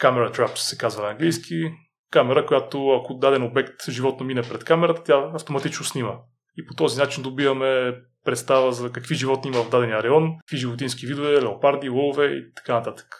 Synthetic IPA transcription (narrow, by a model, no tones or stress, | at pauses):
kamɛɾɐt̪ɾapssɛ̥kazvɐnɐŋɡlijskʰi | kamɛɾəkojat̪oɐkod̪ad̪ɛnobɛkt̪ʒivɔt̪nominɛpɾɛt̪kamɛɾət̪ət̪ʲjaɐft̪omɐt̪it͡ʃnʊsnimə | ipot̪ɔzinat͡ʃind̪obivɐmɛ | pɾɛt̪st̪avəzɐkɐkviʒivɔt̪niimɐvɐvd̪ad̪ɛnijəɾɛɔnkəkviʒivot̪insk̟ivid̪ovɛlɛopaɾd̪ivɔlˠvɛḭt̪ɐ̥kanɐt̪at̪ə̥kə̥